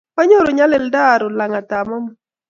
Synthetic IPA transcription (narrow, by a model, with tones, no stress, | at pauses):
pa˦ɲo˦ɾo˨ɲa˦lɛ˨lda˦˨ɾo˨la˨ŋa˨ta˨mɔ˦m˨